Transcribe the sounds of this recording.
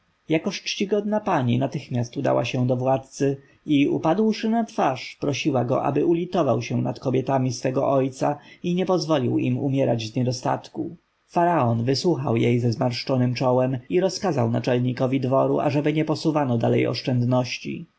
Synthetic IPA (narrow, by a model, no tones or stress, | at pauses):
jakɔɕt͡ʂt͡ɕiɡɔd̪̚napaɲinat̪ɘxmʲjast̪ud̪a̰wa̰ɕɛ̃d̪ɔvwat̪̚t̪sɘ | iṵpad̪wʂɘnat̪faʂpɾɔɕiwaɡɔ̰ʔa̰bɘʔulʲit̪ɔvawɕɛnat̪kɔbʲjɛt̪amʲisfɛɡɔ̰ʔɔjt̪sa̰iɲɛpɔzvɔlʲiwḭmṵmʲjɛɾad͡ʑzɲɛd̪ɔst̪a̰t̪ku | faɾaɔnvɘswuxawjejzɛzmaɾʂt͡ʂɔnɘmt͡ʂɔwɛmiɾɔskazawna̰t͡ʂɛlɲikɔvʲid̪vɔɾṵʔa̰ʐɛbɘɲɛpɔsuvanɔd̪alɛ̰jɔ̰ʂt͡ʂɛnd̪nɔɕt͡ɕḭ